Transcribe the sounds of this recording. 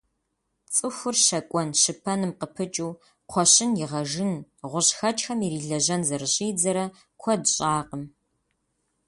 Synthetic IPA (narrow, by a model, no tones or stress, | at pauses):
t͡sʼɨxʷʊrʃɐkʷʼɔnʃɨpʰɐnɨmqəpʰɨt͡ʃʼuː | qʷʰɔɕɪnjɪʁɐʒɨnʁʷʊɕxɐt͡ʃʼxɐmiɾiːɮɐʑɐnzɐrɨɕʼiːd͡zɐɾɐ | kʷʰɔdɕʼaːqəm